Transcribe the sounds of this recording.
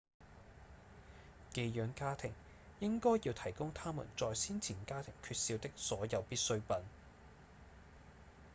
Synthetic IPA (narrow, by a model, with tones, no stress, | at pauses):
ke˧jjœː˨˥ŋkaː˥t̪ʰɪ˨˩ŋ | jɪ˥ŋkɔː˥jjiː˧wt̪ʰɐ˨˩jkʊ˥ŋt̪ʰaː˥mṵ˨˩nt͡sɔː˨jsiː˥nt͡sʰiː˨˩nkaː˥t̪ʰɪ˨˩ŋkʰyː˧t̚siː˧wt̪ɪ˥k̚sɔː˨˥jɐ˨˧wpiː˥t̚sɵ˥ɥpɐ˨n